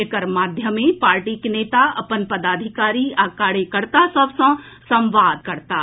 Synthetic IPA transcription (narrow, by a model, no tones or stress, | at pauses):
ɪkəɾmaːd̪ʱjəmẽpaːɾʈikeneːt̪aɐ̰pənpɐd̪aːd̪ʱɪkaːɾiaːkaːɽekəɾt̪asəbsə̃ː | sɐ̃mʋaːd̪̚kɐɾt̪aː